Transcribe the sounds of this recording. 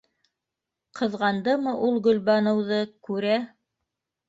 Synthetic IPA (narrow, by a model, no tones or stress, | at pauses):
qʰɤ̆ðʁɑnd̪ɤmɤʔulˠɡɵ̆lβɑnɤ̆wðɤkʉɾæ